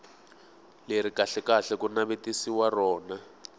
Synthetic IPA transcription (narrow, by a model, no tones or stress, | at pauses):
leɾ̤ikaɬɛkaɬɛkunaβetisiwarɔːna